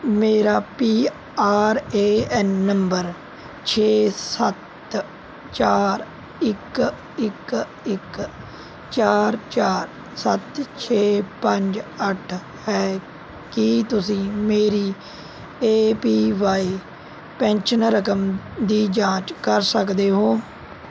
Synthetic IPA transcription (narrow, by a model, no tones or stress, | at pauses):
meːɾaːpiː | aːɾeːɛnːəmbəɾ | t͡ʃʰeːsət̪ | t͡ʃaːɾ | ɪk | ɪk | ɪk | t͡ʃaːɾt͡ʃaːɾ | sət̪t͡ʃʰeːpəɲd͡ʒəʈʰ | hɛː | kit̪ʊs̬ĩːmeːɾiː | eːpiːʋaːi | pɛ̃ːnt͡ʃənɾəkəmd̪iːd͡ʒãːt͡ʃkəɾsəkd̪eːɦoː